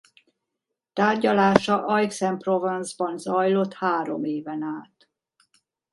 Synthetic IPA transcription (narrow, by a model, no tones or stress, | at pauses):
t̪aːrɟɒlaːʃɒʔɒjksɛmprovɛnzbɒnzɒjlo̞t̪haːɾo̞̰meːvɛnaːt̪